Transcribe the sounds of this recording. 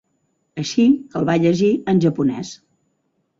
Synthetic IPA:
əʃikəlˠβaʎəʒiənʲʒəpunɛ̰s

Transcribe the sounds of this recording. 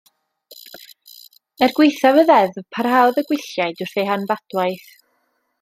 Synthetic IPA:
ɛrɡwɪjθavəðɛðpʰarhawðəɡwɪɬjajdʊr̥θejɦanvad̥wajθ

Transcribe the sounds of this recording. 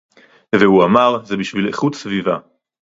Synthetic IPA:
vehuamaʁzebiʃvileχut̪sviva̰

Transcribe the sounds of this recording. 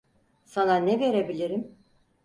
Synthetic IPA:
sananɛve̞ɾebilʲiɾim

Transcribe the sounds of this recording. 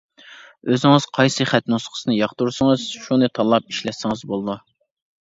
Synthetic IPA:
øzɪŋɨz̥qʰɑjsɨχæt̪nusqʰə̥sɨnɨjɑχt̪uɾsɨŋɨz̥ʃunɨt̪ʰɑlˠːɑp̚iʃlɛt̪sɪŋɨzbolˠd̪u

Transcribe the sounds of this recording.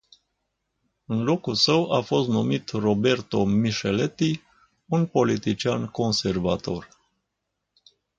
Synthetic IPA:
ɨnlo̞kulsəwafo̞st̪numit̪ro̞be̞rt̪o̞miʃelet̪i | unpo̞lit̪it͡ʃianko̞nse̞rva̰t̪o̞r

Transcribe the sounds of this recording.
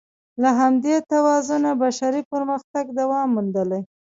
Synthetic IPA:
laɦamd̪et̪awɑzunabaʃaɾipəɾməxt̪aɡd̪awɑmːund̪əlaj

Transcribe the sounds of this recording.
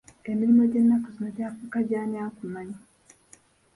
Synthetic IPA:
emiɾimo̞ɟenːakuzinoɾaːfukaɟaːɲaːkumaɲa

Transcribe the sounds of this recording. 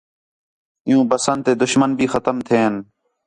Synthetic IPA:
ɪjũːpəsənd̪t̪eːd̪ʊʃmənbʱiːxət̪əmt̪ʰeːɦən

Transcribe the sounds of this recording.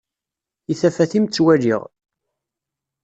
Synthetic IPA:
iθæfæθimt͡sːwæʒiʁ

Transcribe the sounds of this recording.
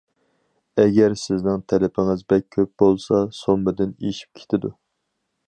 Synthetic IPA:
ɛɡʲɛɾsɪznɪŋt̪ʰɛlɪpʰɪŋɪzbɛk̚ʲʰːøp̚bolˠsɑsombɪd̪ɪneʃi̥p̚kʲʰe̥t̪ʰɪd̪u

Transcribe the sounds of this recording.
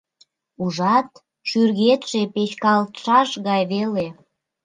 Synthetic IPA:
uʒɑt̪ | ʃyrɣet̪ʃepet͡ɕkɑlt̪ʃɑʃɣɑjβele

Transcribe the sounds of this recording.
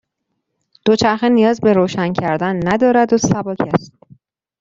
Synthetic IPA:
d̪̥ot͡ʃʰæɾxenijɒːzbe̞ɾoːʃæncʰæɾd̪ænːæd̪ɒːɾæd̪osæbɒːcʰæst̪̚

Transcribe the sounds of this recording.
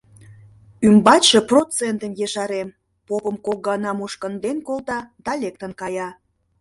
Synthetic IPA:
ymbɑtʲʃə̆prot͡sent̪ənjeʃɑɾem | popəmkok̚ɡɑnɑmuʃkənd̪enkolt̪ɑd̪ɑlʲek̚t̪ənkɑjɑ

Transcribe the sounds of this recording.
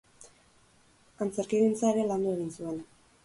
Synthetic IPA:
ant͡se̞ɾkiɣint͡saeɾe̞land̪ue̞ɣinsue̞n

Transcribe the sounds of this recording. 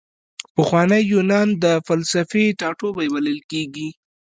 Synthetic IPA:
pəxwɑnəjːunɑnd̪əfalsafeʈɑʈobajwaləlkeɡi

